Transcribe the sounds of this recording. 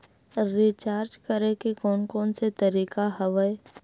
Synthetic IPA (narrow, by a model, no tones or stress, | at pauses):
ɾiːt͡ʃaːɾd͡ʒkəɾekekɔːnkɔːnset̪ɐɾiːkaɦɐʋəe